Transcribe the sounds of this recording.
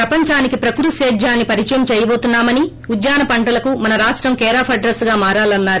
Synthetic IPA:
pɾɐpɐɲt͡ʃaːnikipɾɐkuɾuseːd͡ʒaːnːipɐɾit͡ʃɐjɐmt͡ʃɛːjɐbo̞ːt̪unːaːmɐni | ud̪jaːnɐpɐɳʈɐlɐkumɐnɐɾaːʂʈɾɐmkɛːɾaːpʰɐɖɾɐsɡaːmaːɾaːlɐnːaːɾu

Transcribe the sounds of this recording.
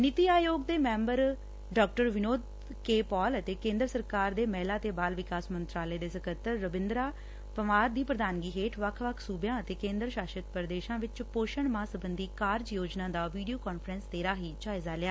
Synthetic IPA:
nɪt̪iːaːjoːɡd̪eːmɛ̃ːmbəɾ | ɖɔːkʈəɾʋɪnoːd̪ | keːpɔːlət̪eːkẽːnd̪ɾəsəɾkaːɾd̪eːmɛːlaːt̪eːbaːlʋɪkaːsmənt̪ɾaːləeːd̪eːsəkət̪ːəɾːəbɪ̃nd̪ɾaː | pəʋaːɾd̪iːpɾəd̪aːnɡiːɦeːʈʰʋəkʰʋəkʰsuːbjãːət̪eːkẽːnd̪ɾʃaːʃət̪pəɾd̪eːʃãːʋɪt͡ʃpoːʃəɳmãːsəbənd̪iːkaːɾd͡ʒjoːd͡ʒnãːd̪aːʋiːɖijoːkɔːnpʰɾə̃nst̪eːɾaːɦiːt͡ʃaːɪzaːlɪjaː

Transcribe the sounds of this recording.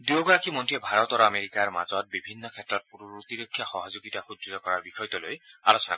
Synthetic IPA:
duoɡɔɹakimɔntiebʱaɾɔt̪ɔɾɔameɾikaɹma̰zɔt̚bibʱinːɔkʰɛtɹɔt̚puɾuut̪iɾokʰːjaxɔɦɔzuɡitaxudɾitɔkɔɹaɹbixɔjt̪ɔlojalosɔna̰

